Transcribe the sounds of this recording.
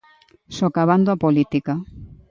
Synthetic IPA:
sokaβand̪oapolit̪ika

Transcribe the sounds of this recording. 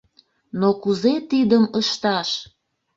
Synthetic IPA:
nokuzet̪id̪əməʃt̪ɑʃ

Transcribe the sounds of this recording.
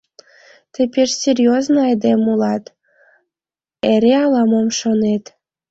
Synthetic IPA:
t̪ĕpʲeʃsʲerʲjoznoɑjd̪emulɑt̪ | eɾeɑlɑmomʃonet̪

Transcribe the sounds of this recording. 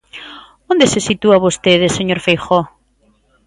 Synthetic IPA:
ond̪esesit̪uaβost̪eðeseɲoɾfejxo

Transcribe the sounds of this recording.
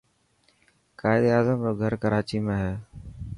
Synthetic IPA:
kaːɪd̪eaːzəmɾoːɡʱəɾkəɾaːt͡ʃiːmẽːɦeː

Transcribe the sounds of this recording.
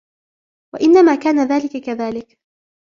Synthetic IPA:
wa̰ʔɪnːamaːkaːnaðaːlɪkakaðaːlɪk

